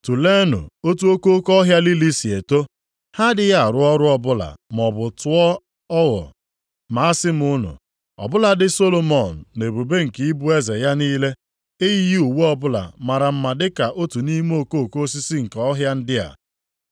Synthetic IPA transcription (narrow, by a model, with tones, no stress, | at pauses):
tu˨le˦nʊ̰˨o˦tu˦o˦ko˦o˦kɔ˦ɦja˦li˦li˦si˨e˨to˦ | ha˦dɪ˦ja˦˨ɾʊ˦ɔ˦ɾʊ˦ɔ˦bʊ˦la̰˨m˨ɔ˨bʊ˨tʊ˦ɔ˦ | ɔ˦ɣɔ̰˨ | ma˨a˦sɪ˦m˨ʊ˦nʊ̰˨ | ɔ̰˨bʊ˦la˨dɪ˦so˦lo˦mɔ˨n̩˨ne˨bu˨be˦ŋ̩˨kɪ˨˦i˦bu˦e˦ze˨ja˦niː˦le˦ | e˦ji˦ji˦u˨we˦ɔ˦bʊ˦la̰˨ma˨ɾa˨m̩˦ma˨dɪ˦ka˨ʔo˦tu˨ni˦m˦o˦˨ko˦o˨ko˦s̬i˦si˦ŋ̩˨ka˨ɔ˦ɦja˦n̩˦dɪ˦a̰˨